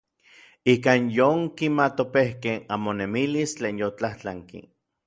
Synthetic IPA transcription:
ikaːnjoŋkimat̪opehkeamonemilist͡ɬeːnjot͡ɬaht͡ɬaŋkḭ

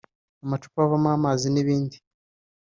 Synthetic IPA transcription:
amat͡ʃu̥paβamaːmaziniβiːndi

